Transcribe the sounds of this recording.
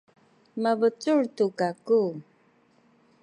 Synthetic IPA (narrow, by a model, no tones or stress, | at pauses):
mavət͡suɻtukaku